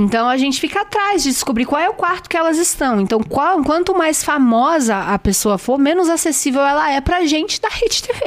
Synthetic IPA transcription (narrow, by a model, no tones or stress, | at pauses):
ẽnt̪ɐ̃w̃ɐʒẽnt͡ʃɪ̥fikɐat̪ɾajzd͡ʒɪd͡ʒɪskobɾikwawɛʊkwaɾt̪ʊ̥kɪɛlɐzɪst̪ɐ̃w̃ẽnt̪ɐ̃w̃kãkwɐ̃nt̪ʊmajsfamɔzɐɐpesoɐfoɾmẽnʊzasesivewɛlɐɛpɾɐʒẽnt͡ʃɪd̪ɐhed͡ʒɪt̪eve